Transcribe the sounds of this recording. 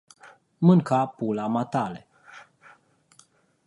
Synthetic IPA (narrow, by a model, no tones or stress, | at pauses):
mɨŋkapulamat̪ale